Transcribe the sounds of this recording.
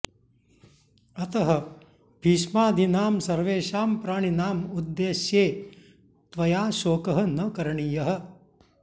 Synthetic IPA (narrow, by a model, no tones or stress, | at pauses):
ɐt̪ɐɦɐ | bʱiːʃmaːd̪ʱinaːmsɐɾʋeːʃaːmpɾaːɳ̃inaːmud̪ːeːʃjeː | t̪ʋɐjaːʃoːkɐɦɐ̆nɐkɐɾɐɳijɐɦɐ̆